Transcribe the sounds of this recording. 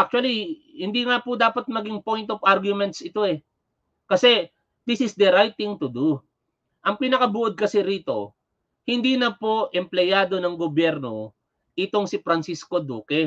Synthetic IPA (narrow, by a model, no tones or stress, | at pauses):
ʔak̚t͡ʃʊɐlihɪnd̪iŋapʊd̪aːpɐt̪̚mɐɡiŋpo̞jnt̪ovʔaɾɡjʊmɛnt̪sʔɪt̪o̞ɛ | kɐsɛ | d̪ɪsɪsd̪ɛɾajt̪ːɪŋt̪ʊd̪u | ʔɐŋpɪnɐkɐbuʔod̪̚kɐsɛɾiːt̪o̞̰ | hɪnd̪iːnɐpoʔɛmplɛjaːd̪o̞nɐŋɡobjɛɾno̞ | ʔɪt̪o̞ŋsɪfɾɐnsiskod̪uːkɛ